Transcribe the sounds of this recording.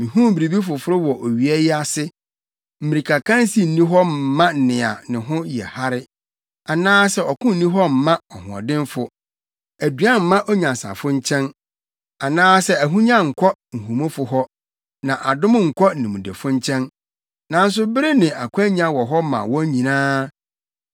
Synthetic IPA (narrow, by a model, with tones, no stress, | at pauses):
mĩ˨hũ˦m˦bi˨ɾi˨bi˦fʊ˨fʊ˦ɾɪ˦wɔ˨ʔo˨ɥi˨ɛ˦jɪ˦a˨sɪ˦ | m̩˨mĩ˨ɾi˨kʰa˨kʰã˦n˦si˦n̩˨nĩ˦ɦɔ˦m̩˨˦mã˦n̩˨nɪ̃˨a̰˨nɪ̃˨ɦʊ̃˦jɛ̰˨ha˦ɾɪ˦ | a˨nãː˦sɛ˦ɔ˨kʰʊ̃˦n̩˦nĩ˦ɦɔ˦m̩˨mã˦ɔ˨hʊ̰̃˨ɔ̰˨dɪ̃˦nfʊ˨ | æ˨dɥa˦m̩˨mã˦ʔɔ˦ɲã˨sa̰˨fʊ̃˦ɲ̩˦t͡ɕʰɛ̃˦n | a˨nãː˦sɛ˦æ˨ɦũ˦ɲã˦ŋ̩˨kʰɔ˦ŋ̩˨ɦũ˨mõ˦fʊ˨˦ɦɔ˦ | nã˨ʔa˨dʊ̃˦m˦ŋ̩˨kʰɔ˦˨nɪ̃˨mũ˨dḛ˨fʊ̃˦ɲ˦t͡ɕʰɛ̃˦n | nã˨n̩˦s̬ʊ˦bɪ˦ɾɪ˦nɪ̃˨a˨kʷʰæ˦ɲ˦ã˦wɔ˨ɦɔ˦mã̰˨wɔ̃˦ɲĩ˨nãː˦